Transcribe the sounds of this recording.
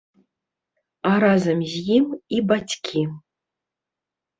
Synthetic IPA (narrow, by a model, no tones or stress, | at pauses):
aɾazamzjimibat͡ɕʲkʲʰi